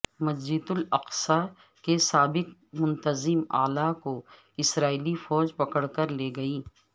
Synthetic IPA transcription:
mɐzd͡ʒɪd̪ʊlɐqsa | kesaːbɪkmʊ̃nt̪əzɪma̰ːlako | ɪsɾaːiːlifɔːd͡ʒpɐkəɽkəɾleːɡɐiː

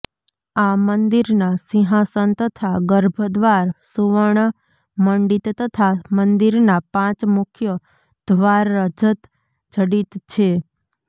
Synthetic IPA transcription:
amənd̪iɾnasiɦasənt̪ət̪ʰaɡəɾbʱəd̪ʋaɾsuʋəɳ | məɳɖit̪t̪ət̪ʰamənd̪iɾnapãt͡ʃmʊkʰjə | d̪̥ʋaɾːəd͡ʒət̪ | d͡ʒʱəɽit̪t͡ʃʰe

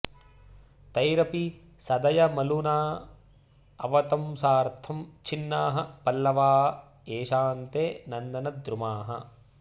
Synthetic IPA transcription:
t̪ɐjɾɐpi | sɐd̪ɐjɐmɐlunaː | ɐʋɐt̪ɐmsaːɾt̪ʰɐmt͡ʃʰinːaːɦɐ̆pɐlːɐʋaːɐ | eːʃaːnt̪eːnɐnd̪ɐnɐd̪ɾumaːɦɐ̰

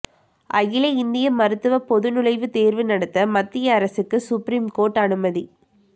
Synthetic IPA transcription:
ʔɐɣɪlɐɪnd̪ɪjɐmɐɾɯt̪ːɯʋɐpɔðɯnʊlɐɪʋɯt̪eːɾʋɯnɐɽɐt̪ːɐmɐt̪ːɪjɐːɾɐsɯkːɯsʊpɾiːmkoːɾʈːɐnɯmɐði

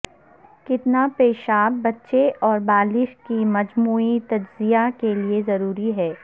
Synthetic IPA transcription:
kɪt̪napeːʃaːbːɐtːʃeɔːɾbaːlɪʃkimɐd͡ʒmuːit̪ɐd͡ʒzijakeliezɐɾuːɾiɦɛː

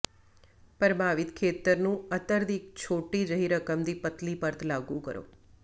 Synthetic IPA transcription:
pɾəbʱaːʋɪt̪kʰeːt̪əɾnũət̪əɾd̪ikt͡ʃʰoːʈid͡ʒəɦiɾəkəmd̪ipət̪lipəɾt̪ʰlaɡũkə̰ɾo̰ː

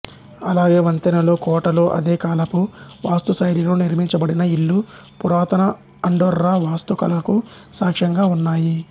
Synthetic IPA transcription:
ɐlaːɡeːʋɐnt̪ɐnɐlo̞ːkɔːʈɐlo̞ːʔɐ̰d̪eːkaːlɐpuʋaːst̪usɐjɾilo̞ːniɾmiɲt͡ʃɐbɐɽinɐiɭːu | puɾaːt̪ɐnɐ | ɐɳɖoːɾːaʋaːst̪ukɐ̰lɐku | saːkʂɐŋɡaːunːaːji

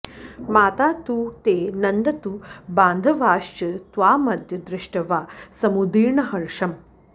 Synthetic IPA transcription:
maːt̪aːt̪uːt̪eːnɐnd̪ɐt̪ubaːnd̪ʱɐʋaːʃt͡ʃɐt̪ʋaːmɐd̪ʱjɐd̪ɾɪʂʈɐʋaːsɐmud̪iːɾɳɐɦɐɾʂɐm

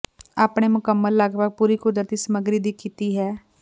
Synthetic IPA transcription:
aːpɳ̃eːmʊkəmːəlːaɡʋəɡ̚puːɾiːkʊd̪əɾt̪iːsəməɡɾiːd̪iːkʰiːt̪iːɦɛː

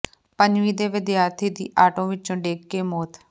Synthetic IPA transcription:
pəɲd͡ʒʋiːd̪eːʋɪd̪jaːɾt̪ʰiːd̪ḭːʔaːʈõːʋɪt͡ʃõːɖeːkkeːmoːt̪

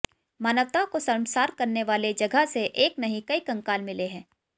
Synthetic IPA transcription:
maːnəʋt̪akosɐɾmsaːɾkɐɾneʋaːled͡ʒɐɡʱəseʔeːknɐɦĩkɐikɐ̃ŋkaːlmɪleɦɛ̃ː

